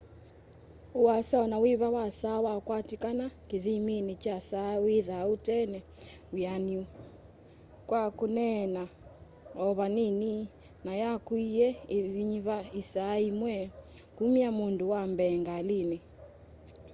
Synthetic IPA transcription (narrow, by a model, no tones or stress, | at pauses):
uasaɔnawiβawasawakwatikanakiðiminit͡ʃasawiðautɛnɛ | ujaniu | kwakunɛna | ɔβanini | najakuiɛiðiɲiβaisaimwɛ | kumiamunduwambɛŋɡaline